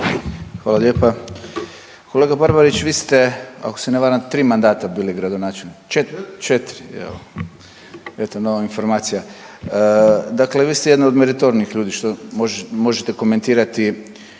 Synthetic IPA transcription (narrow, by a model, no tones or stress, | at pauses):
xʋaːlaljeːpa | kole̞ːɡabaɾbaɾit͡ɕʋiːst̪e̞a̰koseneʋaːɾamt̪ɾiːmand̪aːt̪abiːleɡɾad̪onaːt͡ʃelnit͡ʃet͡ʃet̪ɾiḛlo | et̪anoʋainfo̞ɾmaːt̪sija | d̪akleʋiːst̪ejed̪naod̪meɾit̪oɾniixʎuːd̪iʃt̪omoʒmo̞ʒet̪e̞ko̞me̞nt̪iːɾat̪i